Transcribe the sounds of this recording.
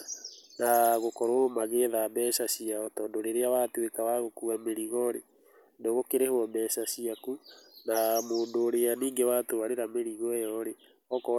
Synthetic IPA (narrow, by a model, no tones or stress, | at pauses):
naɣokɔɾomaɣeðabɛʃaʃiaɔtɔndoɾeɾeawatwekawaɣokuɣameɾiɣɔɾe | ndoɣokeɾehwɔmɛʃaʃiakunamoːndoːɾeaniːŋɡewatowaɾeɾameɾiɣɔjɔɾe | ɔkɔ